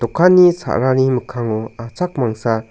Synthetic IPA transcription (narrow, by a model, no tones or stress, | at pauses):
t̪ɔkʰanisa̰ʔɾaniməkʰaŋɔat͡sʰak̚maŋsa